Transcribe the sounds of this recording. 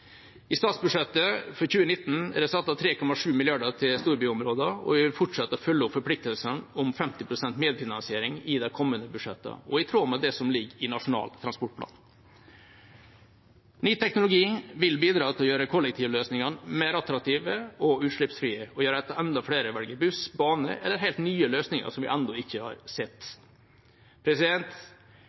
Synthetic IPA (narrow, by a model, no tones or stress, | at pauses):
ɪst̪ɑːt̪sbʉʂɛt̪ːəfɔɾçʉːənɪt̪ːn̩ɛ̰d̪ɛsɑt̪ːɑt̪ʰɾeːkʰɔmɑʂʉːmɪlɪɑɖəʈ̪ʰɪlst̪uːɾbyːɔmɾoːd̪əɔ̰ʋɪʋɪlfʊʈʂɛt̪ːəɔfœlːəʊpfɔɾpʰlɪk̚t̪əlsənɔmfɛmt̪ɪpʰɾʊsɛnt̪meːd̪fɪnɑnsɪeːɾɪŋɪd̪ɛkʰɔmːənd̪əbʉʂɛt̪ːə̰ɔɪt̪ʰɾoːmɛd̪ɛsɔmlɪɡɪnɑʂʊnɑ̰ːlt̪ʰɾɑnspɔʈ̚pʰlɑ̰ːn | nyːt̪ʰɛknʊlʊɡiːʋɪlbiːd̪ɾɑːt̪ʰɪlɔjøːɾəkʰɔlːɛk̚t̪ʰiːʋəløːsnɪŋɑnmeːɾɑt̪ɾɑk̚t̪iːʋəɔʉːt̪ʂɭɪpsfɾiːəɔjøːɾəɛt̪əɛnd̪ɑfɽeːɾəʋɛlɡəbʉsbɑːnə̰ʔɛlːəɾɦæɪlt̪nyːəløːsnɪŋə̰ʂɔmʋɪ̰ʔɛnd̪ɔɪçːəhɑ̰ːɾsɛt̪ː | pʰɾɛsɪd̪ɛnt̪